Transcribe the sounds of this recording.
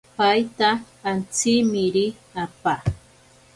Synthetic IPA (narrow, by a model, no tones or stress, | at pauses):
pajt̪aː | nt͡sɪmɪɾɪ | apa